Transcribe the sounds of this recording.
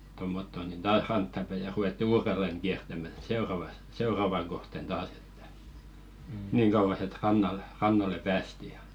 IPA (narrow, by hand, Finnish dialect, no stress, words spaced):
tomːotːo nin tɑːh rɑntːɑ pæi jɑ ruetːi uːrelːeŋ ɡ̊iærtæmæ seorɑʋɑs seorɑʋɑŋ ɡ̊ohten d̥ɑːs e̥tːæ̥ niːŋ ɡ̊ɑuʋɑs et rɑnːɑl rɑnːɑle pæːsti jɑ